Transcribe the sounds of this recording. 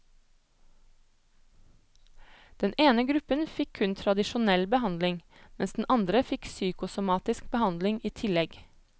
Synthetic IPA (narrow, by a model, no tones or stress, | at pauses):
d̪̥ɛneːnəɡɾʉpənfɪkʰʉnt̪ʰɾɑd̪ɪʃʊnɛlbəhɑnd̪lɪŋ | mɛnsd̪n̩ʔɑnd̪ɾəfɪksyːkʊsʊmɑːt̪ɪsk̚bəhɑnd̪lɪŋiːt̪ʰɪlɛɡ